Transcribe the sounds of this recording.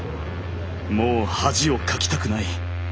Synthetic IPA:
moːhaʑio̞kʰakʲi̥t̪akɯ̟nai

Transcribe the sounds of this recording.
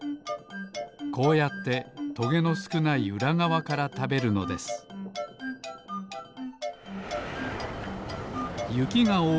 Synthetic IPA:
ko̞ːjat̪ːe̞t̪o̞ɡe̞no̞sɨ̥kɯ̟naiɯ̟ɾaŋaβakaɾat̪abe̞ɾɯ̟no̞̰d̪e̞sɨ̥ | jɯ̟kʲiŋaoː

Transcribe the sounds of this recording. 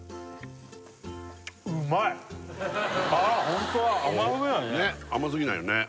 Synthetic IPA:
ɯmaɛ | ahõnt̪oaʔamasɨɡɯnãɲeamas̬ɨɡʲinãjone

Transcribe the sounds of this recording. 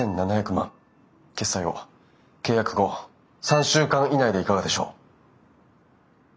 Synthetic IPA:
ẽ̞nnanaçakɯ̟mã̰ŋ | ke̞sːaio̰ | ke̞ːjakɯ̟ɡo̞ | sãɰ̃ɕɨːkãɰ̃inaid̪e̞ikaɡad̪e̞ɕo̞ː

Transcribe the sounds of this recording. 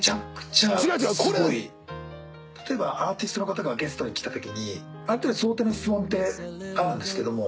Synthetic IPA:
t͡ɕakɯ̥t͡ɕãsɨɡo̞i | t̪ʰḁt̪o̞e̞baʔaːt̪ʲisɨ̥t̪o̞nokat̪̬aɡaɡe̞st̪o̞ɲ̟ikʲi̥t̪at̪o̞kʲiɲ̟i | aɾɯt̪easo̞ːt̪e̞ːnoɕi̥t͡sɨmõ̞nt̪e̞aɾɯ̟̃nd̪e̞sɨ̥ke̞d̪o̞mo̞

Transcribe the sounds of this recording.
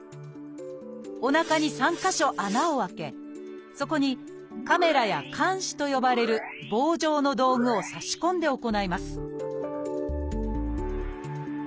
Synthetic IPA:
o̞nakaɲ̟isãŋkaɕo̞ʔanaoβake̞̰ | so̞ko̞ɲ̟i | kame̞ɾajakʰãɰ̃ɕi̥t̪o̞jo̞baɾe̞ɾɯ̟ | bo̞ːʑo̞ːno̞d̪o̞ːŋɯ̟o̞saɕi̥kõ̞nd̪e̞o̞ko̞naimasɨ̥

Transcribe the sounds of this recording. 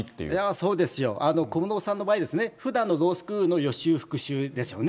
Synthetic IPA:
it̪ːḛjaso̞ːd̪e̞sɨjo̞̰ʔano̞komnoːsãnːo̞baːid̪e̞sɨne̞ɸɯ̟d̪ãnːod̪o̞ːsɨ̥kɯːɯno̞jo̞ɕɨːɸɯ̟̥kɯ̟ɕɨːd̪e̞sɨjo̞ne

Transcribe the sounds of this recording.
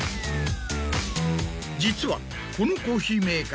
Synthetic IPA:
d͡ʑit͡sʰuwa̰ | kunukoɕimek

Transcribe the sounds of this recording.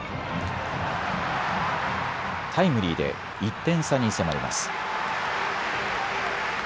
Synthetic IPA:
t̪ʰaimɯ̟ɾʲiːd̪e̞̰ | it̪ːẽ̞ɰ̃saɲ̟ise̞maɾʲḭmʔa̰sɨ̥

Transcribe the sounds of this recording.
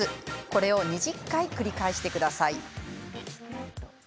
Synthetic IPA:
ɨko̞ɾe̞o̞ɲ̟iʑikːaikɯ̟ɾʲikaeɕi̥t̪e̞kɯ̟d̪asai

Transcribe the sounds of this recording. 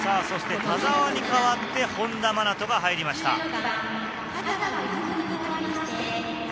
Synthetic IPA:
saːso̞ɕi̥t̪et̪ʰazaβaɲ̟ikaβat̪ːe̞hõ̞nd̪amanat̪o̞ɡaɦaiɾʲimaɕi̥t̪a̰

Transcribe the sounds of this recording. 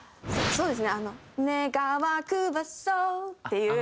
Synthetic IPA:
so̞ːd̪e̞sɨneano̞ | neɡaβakɯβasoe

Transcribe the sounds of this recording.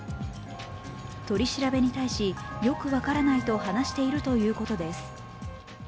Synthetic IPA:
t̪o̞ɾʲiɕiɾabe̞ɲ̟it̪aiɕijo̞kɯ̟βakaɾanait̪o̞hanaɕi̥t̪e̞iɾɯ̟t̪o̞jɯ̟ːko̞t̪o̞d̪e̞sɨ̥

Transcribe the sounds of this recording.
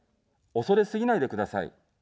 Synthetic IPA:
o̞so̞ɾe̞sɨɡʲinaid̪e̞kɯ̟d̪asa̰ḭ

